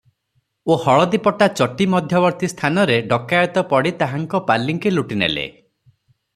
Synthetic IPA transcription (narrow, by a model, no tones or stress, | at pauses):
ohɔɭɔd̪ipɔʈat͡ʃɔʈimɔd̪ʱjɔbɔɾt̪ist̪ʰanɔɾeɖɔkajɔt̪ɔpɔɽit̪aɦaŋkɔpalːiŋkiluʈinḛlḛ